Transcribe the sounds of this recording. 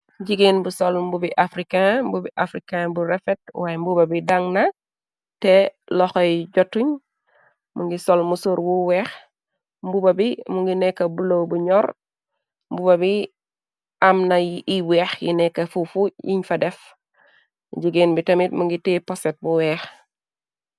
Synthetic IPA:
ɟiɡenbusɔlmbubiʔafɾikãbubiʔafɾikãbuɾɛfɛt̚wajmbubɐbidaŋnɐ | tɛlɔxɔjɟotːuɲ | muŋɡisɔlmusoɾwuwɛːx | mbubɐbimuŋɡinɛkːɐbulowbuɲɔɾ | mbubɐbi | amnɐjiwɛːxjḭnɛkːɐfufujiɲfɐdɛf | ɟiɡenbitɐmitmuŋɡitepɔset̚buwɛːx

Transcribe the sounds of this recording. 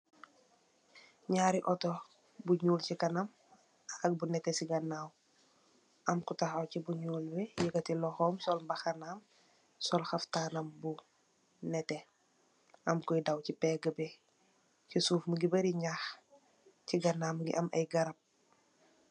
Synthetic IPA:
ɲaːɾiʔɔtɔ | buɲuːlcikɐnam | ɐk̚bunɛtɛsiɡɐnaːw | ʔɐmkutaxɐwcibuɲuːlbɛjiɡɐtilɔxɔːmsɔlmbɐxɐnaːm | sɔlxɐftanɐmbu | nɛtɛ | ɐmkɔjdawcipɛɡəbɛ | cisuːfməɡibɐɾiɲax | ciɡɐnːaːmɡḭʔɐmʔɐ̰jɡɐɾɐp̚

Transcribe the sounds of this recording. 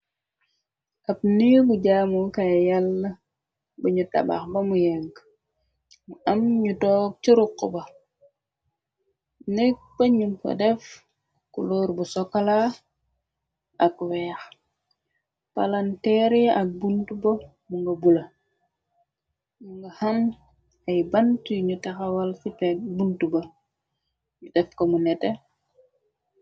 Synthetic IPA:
ʔap̚niɡuɟaːmukajalːɐ | buɲuta̰ba̰xbɐmujɛŋk | muamɲutɔːk̚t͡ʃiɾuqːubɐ | nɛk̚bɐɲumpɐ̰dɛf | kṵloːɾbusɔkːala | ɐkwɛːx | palantɛɾʔɐk̚buntubo | muŋɡɐbulɐ | muŋɡɐhɐn | ɐjbɐntujɲutaxɐwɐlfipɛk̚buntubɐ | ɲudɛfkomunɛte

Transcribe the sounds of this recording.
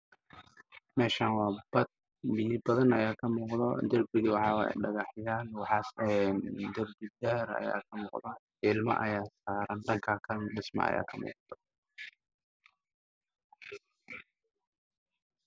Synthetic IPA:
mɛːʃaːnwɑːbɐd̪̚ | bɪnɪbɐðɐnɐjaːkʰɐmuːqd̪ɐd̪ɐrbɪðɪwɑħɑːwɛ̰ɖɐɣɑħjaːnwɑħɑɛnd̪ɐrbɪd̪aːɾɐ̰ja̰ːkʰɐmuːqd̪a | ɪlmɐ̰ʔɐ̰jaːsaːɾɐnɖɐŋkʰaːkʰɐnɖɪsmɐ̰ɐ̰ja̰ːkʰɐmṵːqt̪ʰɔ̥

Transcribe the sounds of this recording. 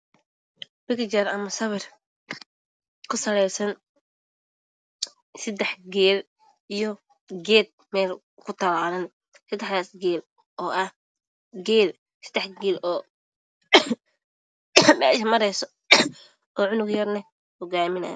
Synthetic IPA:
bɪkt͡ʃɐrɐmɐsɐβɐr | kʰʊsɐlɛjsɐn | sɐd̪ɛħɡɛːl | ijɔ | ɡɛːd̪̚mɛːl | kʰʊt̪ʰɐlaːlɐn | sɐd̪ɛħaːsɡɛːl | ʔɔːʔɐh | ɡɛːl | sɐ̥d̪ɛħɡɛːlɔː | mɛ̰ːʃɐmɐɾɛjsɔ | ʔɔːʕʊnʊɡjɐrnɐh | hɔɡaːmɪnɐ̰j̰

